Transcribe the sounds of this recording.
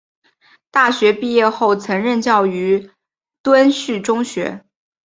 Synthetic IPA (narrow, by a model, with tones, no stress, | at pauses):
t̪a˥˩ɕɥɛ˧˥pi˥˧jɛ˥˧xo˥˩ʊt͡sʰɤ˧˥ŋɻə˥˧nt͡ɕjɑ˥˩ʊy˧˥ | t̪wə˥nɕy˥˩ʈ͡ʂʊ˥ŋɕɥɛ˧˥